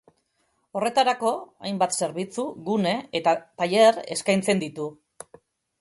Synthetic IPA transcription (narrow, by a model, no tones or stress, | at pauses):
o̞re̞t̪aɾako̞a̰jmbat̪se̞ɾβ̞it͡suɣune̞et̪at̪ajere̞̰skajnt͡se̞nd̪it̪u